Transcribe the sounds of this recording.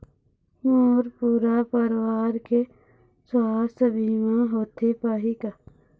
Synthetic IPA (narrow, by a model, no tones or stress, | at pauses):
moːɾpuːɾapəɾwaːɾke | swaːst̪ʰbʱiːmãɦoːt̪epaɦika